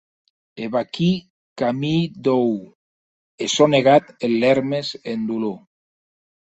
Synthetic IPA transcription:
eβaki | kamid̪ow | esoneɣat̪elleɾmesend̪ulu

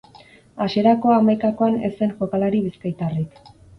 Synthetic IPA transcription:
aʃe̞ɾako̞amajkako̞anḛse̞nʝo̞kalaɾiβiskajt̪arik

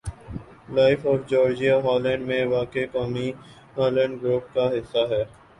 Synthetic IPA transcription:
laːɪfɔːɾd͡ʒɔːɾd͡ʒijaɦɔːlɛ̃ɳɖmẽʋaːkekɔːmi | ɦɔːlɛ̃ɳɖɡɾuːp̚kaɦɪsːaɦɛː

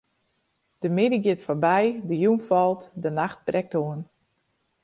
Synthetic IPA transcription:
d̥əmɪdiɡjɪtfɔrbɛjdəjunfɔlˠtdənaxt̚brɛk̚toən

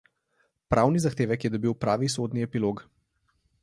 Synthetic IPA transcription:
pɾʔawnizaxt̪eːʋɛkjɛd̪ɔbiwpɾaːʋis̬od̪niɛpiloɡ

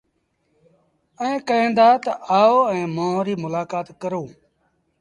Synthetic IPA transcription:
ə̃ẽːkəẽːnd̪aːt̪əaːoːɛ̃ːmõːɦɾiːmʊlaːkaːt̪kəɾõː

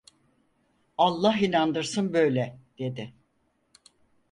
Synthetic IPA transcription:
alˠːaɦinand̪ɯɾsɯnbø̞jlʲɛd̪̥e̞d̪ɪ

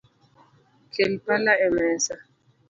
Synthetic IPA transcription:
kʰem̩palaɛmɛːsa

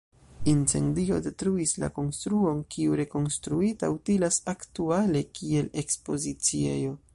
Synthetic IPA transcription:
int͡se̞̰ndio̞̰de̞tɾuisla̰ko̞nstɾuo̞nkiuɾe̞ko̞nstɾuitawtilasaktuale̞kie̞le̞kspo̞zit͡sie̞jo̞

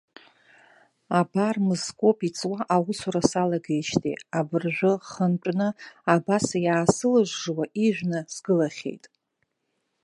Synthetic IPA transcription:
abarmɨzkʷʼo̞pʰʼit͡sʼwaʔawʊsuɾasalaɡajʃtʰʼḭabɨrʒᶣʷʊχənt͡ʃʷʼnɨabasajaːsɨlɨʒʷʐwaʔiʒᶣʷnɨsɡɨlaχʲe̞̰jtʼ

